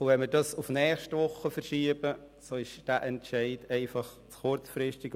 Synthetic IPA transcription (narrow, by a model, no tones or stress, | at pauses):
ʊʋɛnməɾdɑsʊfnɛːχʃtʋʊχːəfərʃiːəbə | soːɪʃd̥æːʔɛntʃɛɪdɛɪfɑχ | t͡sχʊɾt͡sfrɪʃtɪɡ